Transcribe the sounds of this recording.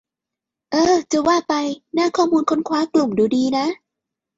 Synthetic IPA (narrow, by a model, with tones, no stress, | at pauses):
ʔɤː˧t͡ɕa˨˧˩waː˥˩pa˧jnaː˥˩kʰɔː˥˩muː˧nkʰo˧˥nkʰwaː˦˥klu˨˩mduː˨˧˦diː˧na˦˥ʔ